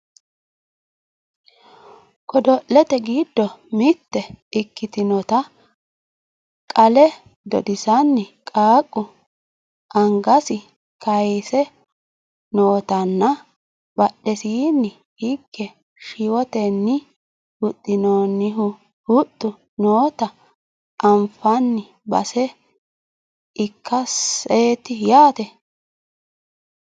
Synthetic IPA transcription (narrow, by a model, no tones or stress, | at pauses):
kʼɔd̪ɔʔːɛt̪ɛɡiːd̪ːɔmɪt̪ːɛɪkːɪt̪ɪnɔt̪ɐ | kʼɐlɛ | d̪ɔ̰d̪ɪsɐnːɪkʼaːkʼːʊ | ʔɐŋɡɐsɪ | kɐjsɛ | noːt̪ɐnːɐ | b̥ɐɗːɛsiːnːɪ | hɪɡːɛ | ʃɪwɔt̪ɛnːɪ | hʊt̪ʼːɪnoːnːɪɦʊ | hʊt̪ːʊ | noːt̪ɐ | ʔɐmfɐnːɪ | bɐ̰sɛ | ɪkʰːɐseːt̪ɪjaːt̪ɛ